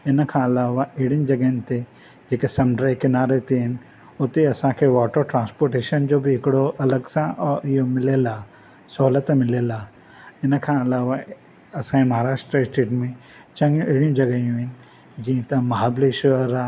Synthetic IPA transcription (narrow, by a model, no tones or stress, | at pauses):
ɪnkʰãɐlaːʋaʔɪɽind͡ʒɐɡnt̪e | d͡ʒeːkesɐmɖɾakɪnaːɾet̪eɦɪn | ʊt̪eɐsãkʰeʋɔːʈəɾʈɾãːnspoːɾʈeːʃənd͡ʒobʱiɦɪkɽoʔɐləɡsãʔɔːɪɦomɪlelaː | sʊɦlət̪mɪlelaː | ɪnkʰãɐlaːʋa | ɐsãimɐɦaːɾaːʃʈɾəɪsʈeːʈmẽ | t͡ʃɐ̃ŋɡjũʔɪːɽijũd͡ʒɐɡəjũɦɪnɪ̆ | d͡ʒĩt̪ɐ̃mɐɦaːbliʃɾa